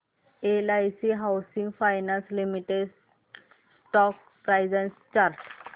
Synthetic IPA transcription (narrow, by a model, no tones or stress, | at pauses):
elajsiɦawsiŋɡfʰajnãnslimiʈeɖ | sʈɔk̚ | pɾajzanst͡ɕaɾʈ